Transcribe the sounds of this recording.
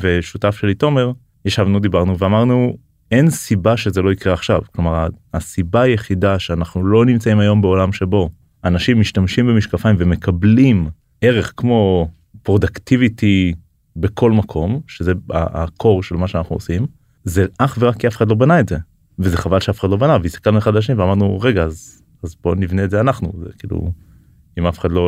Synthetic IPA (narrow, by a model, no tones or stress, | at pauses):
veʃutafʃelito̞me̞ʁ | jeʃavnud̪ibaʁnuveamaʁnu | e̞nsibaʃe̞zelo̞ikʁeaχʃavklomaʁaasibaːjeχidaʃeanaχnulo̞nimt͡saimajo̞mbeo̞lamʃe̞bo̞ | anaʃimːiʃtamʃimbe̞miʃkafaimveme̞kʰablim | e̞ʁe̞χkmo̞ | pʁo̞d̪aktiviti | be̞kʰo̞lmakʰo̞mʃezea̰a̰kʰo̞ʁʃe̞lmaʃeanaχnuosim | zeʔaχveʁakːiafeχadlo̞banaetze | vezeχavalʃeafe̥ad̪lo̞banaveist̪ḁkalnueχadlaʃ̬eniveamaʁd̪nuʁeɡaːz | azbo̞nivneːdzeanaχnṵzḛkḭːlṵ | imafe̥χad̪lo̞